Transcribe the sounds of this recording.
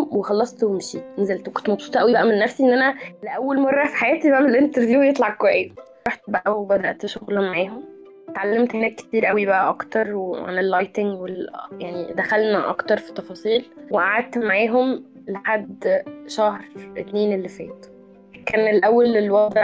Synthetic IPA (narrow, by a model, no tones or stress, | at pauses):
mwexɑlːɑsˤt̪wemʃiːnæzælt̪wekont̪mɑbsˤuːt̪ˤʔæwibæʔæmenːæfsiʔenːʔænæleʔæwːælmɑrˤːɑfi̥ħajæːt̪ibæʔmelʔent̪eɾvjuːwjet̪ˤlɑʕɑkːwæjes | ɾɑħt̪̚bæʔæwebæd̪æʔt̪ʃoɣlæmaʕeːɦom | t̪ʕalːemt̪henæːkːe̥t̪iːɾʔæwibæʔæʔɑkt̪ɑɾˤweʕa̰nelːɑjt̪eŋɡweljaʕnid̪æxælnæʔɑ̰kt̪ɑɾˤfi̥t̪ˤːɑfɑːsˤiːlweʔaʕad̪̚t̪maʕeːɦom | leħad̪ʃæhɾˤʔet̪neːnelːifæ̰ːt̪ | kːæːnelʔæwːælelwɑd̪ɾɑ